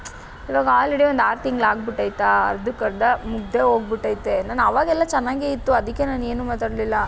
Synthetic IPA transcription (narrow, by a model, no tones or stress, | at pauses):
iʋaːɡɐaːlɾeɽiʋond̪aːɾt̪iŋɡɐlaːɡbiʈːɐːjit̪ːaːɐ̰ɾd̪ukɐɾd̪ɐmuɡd̪ʱeɦo̞ːɡ̚biʈːaːjit̪ːenaːnɐʋaːɡɛlːɐt͡ʃɛnːaːɡeːit̪ːuɐd̪ikːe̞naːne̞ːnuːmaːt̪aːɽlilːɐ